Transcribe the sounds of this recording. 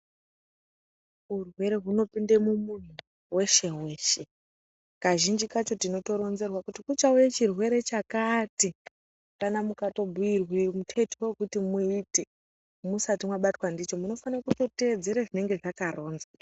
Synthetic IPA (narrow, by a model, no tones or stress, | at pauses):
urwe̞ɾe̞ɦuno̞pindemumun̤u | we̞ʃe̞we̞ːʃe̞ | kaʒind͡ʒikat͡ʃo̞tino̞to̞ɾo̞nze̞rwakutikut͡ʃaujet͡ʃirwe̞ɾe̞t͡ʃakati | kanamukato̞bʱuirwemutʰe̞tekutimuiːte | musatimwaɓatwandit͡ʃo̞muno̞fanakuto̞te̞ːd͡ze̞ɾaʐine̞ŋɡe̞ʐakaro̞ːnza